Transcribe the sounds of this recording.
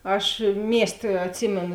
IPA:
ˈɐʃ ˈmʲiɛsʲˌtʲeː ɐtʲˈsʲiːmʲeːnʊ

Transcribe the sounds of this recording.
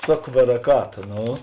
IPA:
ˈsoːk bɐrɐˈkɑːtɐ ˈnoː

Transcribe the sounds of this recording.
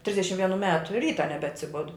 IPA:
ˈtʲrʲɪzʲdʲɛʃʲɪm ʋʲiɛˈnuː ˈmʲæːtʊ ˈrʲiːtɐ nʲɛbʲɛɐtʲsʲɪˈbʊdʊ

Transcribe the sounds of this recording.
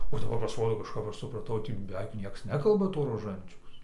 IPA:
oː dɐˈbɐr pɐsˈroːdoː kɐʃˈkɐp ˈɐʃ sʊprɐˈtɐʊ ˈtʲiː bʲɛˈʋʲɛɪk ˈnʲiɛks ˈnʲæːkɐlˠbɐ toː roːˈʒɐnʲt͡ʃʲɛʊs

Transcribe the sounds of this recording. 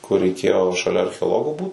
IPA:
kʊr rʲɛɪˈkʲeːjoː ʃɐˈlʲɛ ɐrʲxʲɛoːˈlˠoːɡoː ˈbuːt

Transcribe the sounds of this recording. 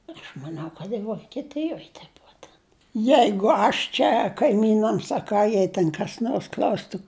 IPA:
ɐʃ mɐˈnʲɛʊ kɐt jɪ ʋoːkʲiɛˈtʲɪjoːj tʲɛ ˈbʊɐ tʲɛn ˈjɛɪɡʊ ˈɐʃ t͡ʃʲɛ kɐɪˈmʲiːnɐms ɐ ˈkɑː ˈjɛɪ tʲɛn kɐs ˈnoːrs ˈklʲɐʊstʊ

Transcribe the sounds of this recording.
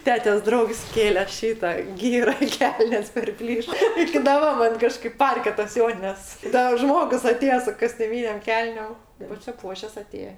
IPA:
ˈtʲæːtʲeːs ˈdrɐʊks ˈkʲeːlʲɛ ˈʃʲiːtɐ ˈɡʲiːrɐ ɪ ˈkʲɛlʲnʲeːs pʲɛrʲˈpʲlʲiːʃ ɪkʲɪ dɐˈbɐ ˈmɐn ˈkɑːʃkɐɪp ˈpɐrʲkʲɛ tɐs ˈjoːnʲɪnʲɛs ˈdɐr ˈʒmoːɡʊs ɐˈtʲeːjɛ sʊ koːsʲtʲʊˈmʲiːnʲeːm ˈkʲɛlʲnʲeːm pɐsʲɪˈpuɔʃʲɛs ɐˈtʲeːjɛ

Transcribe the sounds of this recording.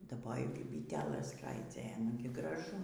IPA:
dɐˈboːjɛʊ kɐɪp bʲiːˈtʲæːlˠɘs skrɐɪˈd͡zʲoːjɛ ˈnʊɡʲɪ ɡrɐˈʒʊ

